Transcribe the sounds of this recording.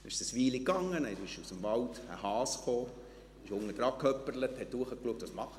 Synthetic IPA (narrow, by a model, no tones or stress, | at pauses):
ɪʃsəsʋiːlikɑŋːənəɪʃusəmʋɑltə̰hɑːsχoː | ɪʃʊŋːəd̪ɾɑkʰœpːəɾləthɛt̪̚d̥uəχəkluək̚t̪ʋɑsmɑχə